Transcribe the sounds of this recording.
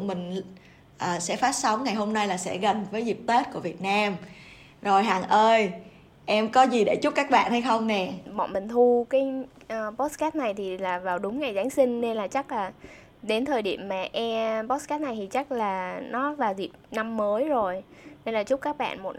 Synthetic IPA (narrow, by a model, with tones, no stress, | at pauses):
mï˨˩ŋ̟ | ʔəː˨˩sɛ̰˧˥faː˨˦˥t̚sə˨˦wŋ͡mŋa˨˩jɦo˧mna˧jlaː˨˩sɛ̰˧˥ɣə˨˩ŋvəː˨˦jzi˨˩p̚t̪e˦˥t̚ku˧˩əvi˨˩ət̚naː˧m | zo˨˩jɦaː˨˩ŋʔəː˧j | ʔɛ˧mkɔ˨˦zi˨˩ɗe˧˩t͡ɕʊ˦˥p̚kaː˦˥k̚ɓa̰ː˧˨nha˧jxə˧wŋ͡mnɛ˨˩ɓɔ̰˧˨nmï˨˩ŋ̟t̪ʰu˧kaː˨˦j | ʔəː˨˩ɓɔ˦˥t̚skaː˦˥t̚na˨˩jt̪ʰi˨˩laː˨˩vaː˨˩wɗʊ˨˦ŋ͡mŋa˨˩jzaː˨˦ŋsï˧ŋ̟ne˧nlaː˨˩t͡ɕa˦˥k̚laː˨˩ | ɗe˨˦nt̪ʰəː˨˩jɗḭ˧˨əmːaː˨˩ʔɛ˧ɓɔ˦˥t̚skaː˦˥t̚na˨˩jt̪ʰi˨˩t͡ɕa˦˥k̚laː˨˩nɔ˨˦vaː˨˩wzi˨˩p̚na˧mːəː˨˦jzo˨˩jne˧nlaː˨˩t͡ɕʊ˦˥p̚kaː˦˥k̚ɓa̰ː˧˨nmo˨˩t̚